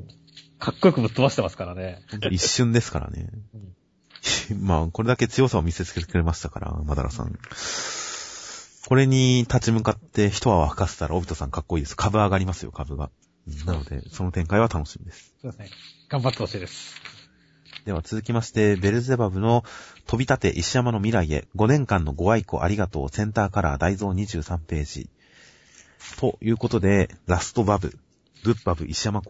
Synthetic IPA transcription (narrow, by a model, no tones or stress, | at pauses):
kʰakːoikɯ̟bɯ̟t̪ːomaɕi̥t̪emasɨ̥kaɾane̞hõnt̪o̞iɕːɨ̃nd̪esɨ̥ka̰ɾa̰ne̞̰ | maːko̞ɾed̪ake̞t͡sɨjo̞saβmʲise̞t͡sɨ̥ke̞t̪e̞kɯ̟ɾe̞maɕi̥t̪aka̰ɾa̰mad̪a̰ɾʔa̰sã̰ŋ | ko̞ɾe̞ɲ̟it̪at͡ɕimɯ̟kat̪ːe̞çi̥t̪o̞ɡaahɯ̥kase̥t̪aɾa̰o̞bʲit̪o̞sã̰ŋkakːo̞iːd̪esɨjokʰabɯ̟aɡaɾʲimasɨjo̞̰kʰabɯ̟ɡa̰ | ɯ̟̃ɴnano̞d̪e̞̰so̞no̞t̪ẽ̞ŋkaiβat̪ano̞ɕimʲid̪e̞sɨ̥ | ɡ̥ãmbat̪ːosed̪esɨ̥ | d̪̥e̞βat͡sɨzɨkʲimaɕi̥t̪e̞be̞ɾɯ̟ze̞babɯ̟no̞t̪o̞bʲit̪at̪e̞̰ʔiɕijamano̞mʲiɾaie̞̰ɡo̞nẽ̞ŋkãnːo̞ɡo̞βaiko̞̰ʔa̰ɾʲiɡat̪o̞̰ːsẽ̞nt̪aːkaɾa̰d̪aizo̞ːɲ̟iʑɨːsãmpe̞ːʑḭ | t̪ʰo̞jɯ̟ːko̞t̪o̞d̪e̞ɾasɨ̥t̪o̞babɯ̟̰ | ɡɯ̟pbabɯ̟ʔiɕijama